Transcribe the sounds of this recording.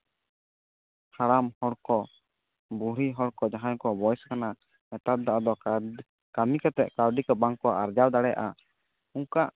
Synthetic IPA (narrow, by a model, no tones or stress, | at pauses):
haɽamhɔɽkɔ | buɾiɦɔɽkɔd͡ʒaɦankɔbɔjskana | ɛt̪at̪̚d̪aʔad̪ɔ | kamikat̪ɛʔkawɖikabaŋkɔaʔaɾd͡ʒawd̪aɽɛjʔa | uŋkaʔ